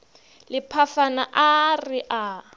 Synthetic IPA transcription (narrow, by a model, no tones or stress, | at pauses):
lɪpʰafanaʔarɪʔa